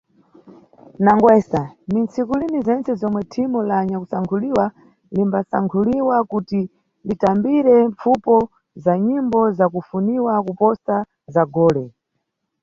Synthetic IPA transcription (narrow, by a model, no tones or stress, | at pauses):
naŋɡwɛsanint͡sʰikulinizɛnt͡sɛzɔmwɛtʰimulaɲakusaŋkʰuliwa | limbasa̰ŋkʰuliwakuti | nditambiɾɛɱp͡fupɔ | zaɲimbɔzakufuniwakupɔsa | zaɡɔːlɛ